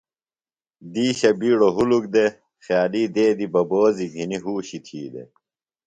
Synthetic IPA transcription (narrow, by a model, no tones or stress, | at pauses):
d̪iːɕɐbiːɽoɦuluk̚d̪e | xjaːliːd̪eːd̪ibɐboːziɡʱiniɦuːɕit̪ʰiːd̪ḛ